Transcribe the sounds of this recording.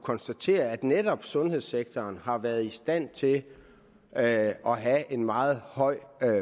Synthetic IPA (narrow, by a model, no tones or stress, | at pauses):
kʰɒ̽nsd̥æt͡sʰe̝̰ːɐæd̥ned̥ɒ̽b̥sɔ̽nhe̝ð̰ˠseɡ̥t͡sʰɒːnhɑ̈ʋæɐð̞̩ˠisd̥æn̰t͡sʰe̝l | ɒ̽ɦæʔe̝nmɑ̈ːð̩ˠhɒ̽ɪ̰